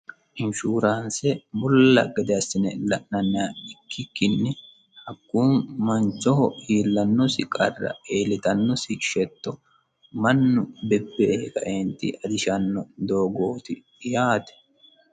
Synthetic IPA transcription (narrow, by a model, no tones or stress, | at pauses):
ʔɪnʃuːɾaːnsɛmʊlːɐ̰ɡɛd̪ɛɐsːɪnɛlɐʔnɐnːaːɪkːɪkːɪnːɪ | hɐkːuːnmɐnt͡ʃːɔhɔiːlːɐnːɔsɪkʼɐ̰rːɐ̰eːlɪt̪ɐnːɔsɪʃɛt̪ːɔ | mɐnːʊbɛbːeːhɛkɐʔeːnt̪ɪʔɐd̪ɪʃɐnːɔd̪o̞ːɡo̞ːt̪ɪ | jaːt̪ɛ̥